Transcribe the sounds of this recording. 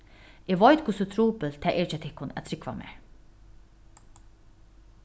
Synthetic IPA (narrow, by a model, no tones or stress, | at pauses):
ɪʋɔjt̪̚kʰʊsʊt̪ʰɾuːpəlt̪ʰæʔɛːt͡ʃat̪ʰɪhkːʊnæ̰t̪ʰɾɪkʋa̰mḛː